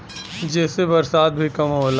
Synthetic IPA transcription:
d͡ʒɛːsebɐɾsaːd̪̚bʱikɐmɦoːla

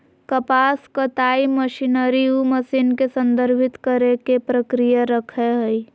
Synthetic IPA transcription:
kəpaːskət̪aːiməʃinəɾiuməsiːnkesə̃nd̪əɾbʱɪt̪kəɾekepɾəkɾijaɾəkʰeɦəi

